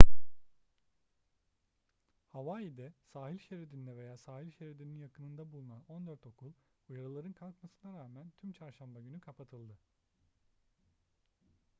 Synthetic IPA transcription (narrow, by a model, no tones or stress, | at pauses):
havaːjid̪ɛsaːɦilʲʃeɾed̪ind̪ɛve̞jaːsaːhilʲʃeɾid̪ininjakɯnɯnd̪abulˠunano̞nd̪øɾt̪o̞kʰulˠujaɾɯlˠaɾɯnkʰalˠkmasɯnaɾaːmænt̪ʰymt͡ʃʰaɾʃambaɟynykʰapʰat̪ʰɯlˠd̪ɯ